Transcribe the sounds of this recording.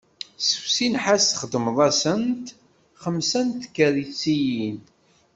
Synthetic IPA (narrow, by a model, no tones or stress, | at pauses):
səwsinħasθχəd̪əmðˤæsənt̪ | χəmsænt̪kːəɾit͡sːijin